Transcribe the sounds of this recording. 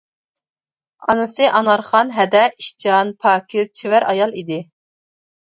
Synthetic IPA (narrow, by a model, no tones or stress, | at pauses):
ɑ̰nɨsɨʔɑnɑɾχɑnɦɛd̪ɛiʃt͡ʃʰɑnpʰɑːkʲʰizt͡ʃʰivæɾʔɑjɑlˠid̪ɪ